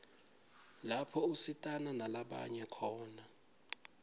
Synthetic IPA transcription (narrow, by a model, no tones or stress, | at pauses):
lapʰɔusitʼananalaɓa̰ɲɛkʰɔːna